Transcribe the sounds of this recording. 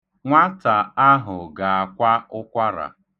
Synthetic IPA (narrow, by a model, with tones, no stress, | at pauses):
ŋʷa˦ta˨a˦ɦʊ˨ɡa˨a˨kʷa˦ʊ˦kʷa˦ɾa̰˨